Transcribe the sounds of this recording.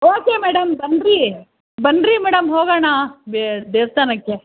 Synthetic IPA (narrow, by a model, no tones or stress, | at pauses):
oːkeːmɛːɽɐmbɐnɾi | bɐnɾimɛːɽɐmɦoːɣɐːɳaːbed̪eːʋst̪aːnɐkːe